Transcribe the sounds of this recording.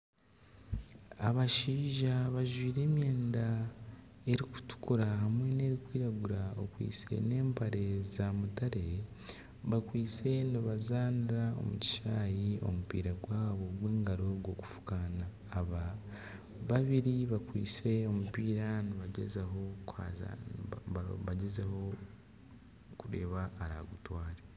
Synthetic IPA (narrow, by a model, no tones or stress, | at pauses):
aβaʃiːʒaβaʒwiːɾe̞ːmjeːnda | e̞ɾiku̥tu̥kuɾahamwe̞ne̞ɾikwiːɾaɡuɾao̰kwḭːt͡se̞̰ne̞ːmpaɾe̞zamutaɾe̞ | βakwiːt͡se̞niβazaːniɾao̞̰muci̥ʃaːjio̞̰mupḭːɾaɡwaːβo̞ɡweːŋɡaɾo̞ɡwo̞ku̥fu̥kanaː | βa | βaβiɾiβakwḭːt͡se̞o̞mupiːɾaniβaɟezaɦo̞ka̰z̰ | βaɟezaho̞ | kuɾe̞̰ːβaːɾa̰ɡutwaːɾe